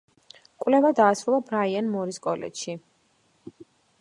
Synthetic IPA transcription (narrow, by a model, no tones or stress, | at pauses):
kʼwvlɛvad̪aːsɾulˠabɾaianmɔɾiskʼɔlɛ̰t͡ʃʃi